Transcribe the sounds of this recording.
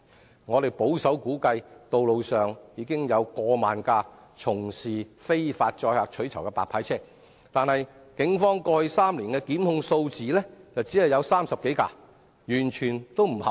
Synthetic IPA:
ŋɔː˨˧ɾe˨jpo˨˥wsɐ˨˥wkuː˨˥kɐ˧jt̪o˨wlo˨˧wsœː˨ŋjiː˨˧kɪ˥ŋjɐ˨˧wkɔː˧maː˨nkaː˧ | t͡sʰʊ˨˩ŋsiː˨˩fe˥jfaː˧t̚t͡ʃɔː˧jhaː˨k̚t͡ʃʰɵ˨˥ɥt͡sʰɐ˨˩wkɛː˧paː˨kpʰaː˨˥jt͡sʰɛː˥ | t̪aː˨nhɐ˨j | kɪ˨˥ŋfɔː˥ŋkɔː˧hɵ˧jsaː˥mliː˨˩nkɛː˧kiː˨˥mhʊ˧ŋso˧wt͡siː˨lɛː˥t͡sɐ˨wt͡siː˨˥hɐ˨jɐ˨˧wsaː˥msɐ˨p̚ke˨˥jka̰ː˧ | jyː˨˩nt͡ʃʰyː˨˩nt̪o˥wm̩˨˩hɐ˨

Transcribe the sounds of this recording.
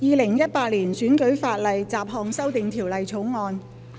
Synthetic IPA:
jiː˨˧lɪ˨˩ŋjɐ˥t̚paː˧t̚liː˨˩nsyː˨˥nkɵ˨˥ɥfaː˧t̚lɐ˨jt͡saː˨p̚ɦɔː˧ŋsɐ˥wt̪ɪ˨ŋt̪ʰiː˨˩wlɐ˨jt͡sʰo˨˥wŋɔː˧n

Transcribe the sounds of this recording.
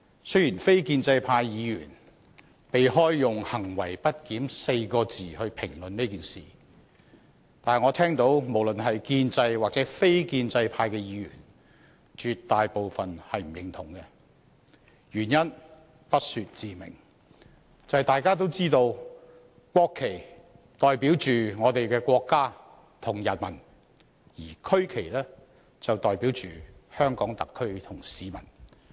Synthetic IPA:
sɵ˥ɥjiː˨˩nfe˥jkiː˧nt͡sɐ˧jpʰaː˧jjiː˨˧jy̰ː˨˩n | pe˨jɦɔː˥jːʊ˨ŋhɐ˨˩ŋwɐ̰˨˩jpɐ˥t̚kiː˨˥mse˧jkɔː˧t͡siː˨hɵ˧ɥpʰɪ˨˩ŋlɵ˨nneː˥kiː˨nsḭː˨˩ | t̪aː˨nɛ˨˩ŋɔː˨˧t̪ʰɛː˥ŋt̪o˨˥wmo˨˩wlɵ˨nɦɐ˨jkiː˧nt͡sɐ˧jwaː˨k̚t͡sɛː˨˥fe˥jkiː˧nt͡sɐ˧jpʰaː˧jkɛː˧jiː˨˧˥jy̰ː˨˩n | t͡ʃyː˧tt̪ːaː˨jpo˨˧wfɐ˨nhɐ˨jm̩˨˩jɪ˨˥ŋt̪ʰʊ˨˩ŋkɛ˧ | jyː˨˩njɐ˥n | pɐ˥t̚syː˧t̚t͡siː˨˩mɪ̰˨˩ŋ | t͡sɐ˨jt̪aː˨jkaː˥t̪̬o˥wt͡siː˥t̪o˧w | kʷɔː˧kʰːe˨˩j | t̪ɔː˨jpiː˨˥wt͡ʃyː˨ŋɔː˨˧t̪e˨jkɛː˧kʷɔː˧kːaː˥ | t̪ʰʊ˨˩ŋjɐ˨˩nmɐ˨˩n | jiː˨˩kʰɵ˥ɥkʰe˨˩jlɛː˥ | t͡sɐ˨wt̪ɔː˨jpiː˨˥wt͡ʃyː˨hœː˥ŋkɔː˨˥ŋt̪ɐ˨kʰːɵ˥ɥt̪ʰʊ˨˩ŋsiː˨˥mɐ̰˨˩n

